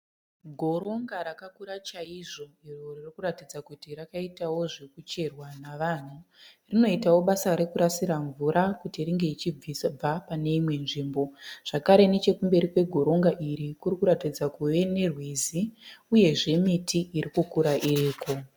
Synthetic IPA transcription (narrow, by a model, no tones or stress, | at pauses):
ɡʱo̞ɾo̞ŋɡaɾakakuɾat͡ʃaiʐo̞iroririkuratid͡zakutirakaitawo̞ʐekut͡ʃe̞rwanaʋaːn̤urino̞itawo̞ɓasaɾekuɾasiɾaɱvuɾʔakutiriŋɡe̞it͡ʃib͡visb͡vapane̞imwe̞nʐiːmbo̞ʐ̥akaɾe̞ne̞t͡ʃe̞kumbe̞ɾikwe̞ɡʱo̞ɾo̞ŋɡaʔiɾikurikuɾatid͡zakuʋe̞ne̞rwiziuje̞ʐe̞mitiʔiɾikukuɾaʔiriːko̞